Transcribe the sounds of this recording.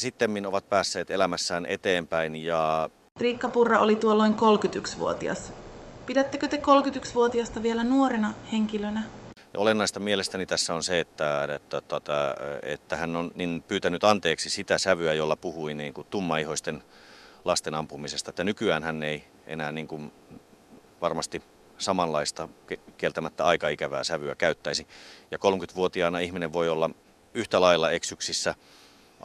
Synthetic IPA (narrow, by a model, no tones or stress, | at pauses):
sit̪ːemːinoʋɑt̪̚pæːsːeːt̪elæmæsːæːnʔet̪eːmpæinjɑ | t̪riːkːɑpurːɑʔolit̪uolːoiŋkolkyt̪yksʋṵo̰t̪iɑ̰spidæt̪ːekøt̪ekolkyt̪yksʋuot̪iɑst̪ɑʋielænuoɾenɑheŋkilønæjɑolenːɑist̪ɑmielest̪ænit̪æsːæonseet̪ːæt̪ːæt̪ot̪ɑḛt̪ːæhænːonninpyːt̪ænyt̪ɑnt̪eːksisit̪æsæʋyæjolːɑpuhuiniːŋkut̪t̪umːɑihoist̪en | lɑst̪enɑmpumisest̪ɑet̪ːænykyæːnhænːei | ʔḛnæːniːŋkun | ʋɑrmɑst̪i | sɑmɑllɑist̪ɑkekielt̪æmæt̪ːæɑikɑikæʋæːsæʋyækæyt̪ːæisijɑkolmkyt̪ʋuot̪iɑːnɑihmineʋʋoiolːɑ | yht̪ælɑilːɑeksyksisːæ